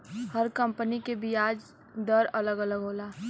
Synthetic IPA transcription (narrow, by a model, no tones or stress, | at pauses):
həɾkɐ̃mpənikebʱiaːd͡ʒ | d̪əɾɐləɡələɡɦoːlaː